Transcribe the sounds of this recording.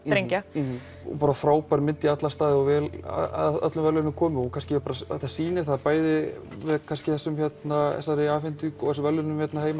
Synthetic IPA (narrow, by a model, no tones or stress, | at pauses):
ɾejɲca̰ | paːɾafɾaːwpaɾmɪnt̪iat̪last̪aːðɪɔvɛːla̰a̰ðœ̰t̪lʏmvɛlʏnʏmkʰɔːmɪɔkʰanscɪɾpaːɾaɛt̪ːasiːnɪθaðpaːjðɪ | vɪðkʰanscɪ̥θɛsːʏmçɛt̪naɛ̰saɾɪaːfɪnt̪ykɔθɛsʏmvɛlːʏnʏmçjɛt̪naheːjma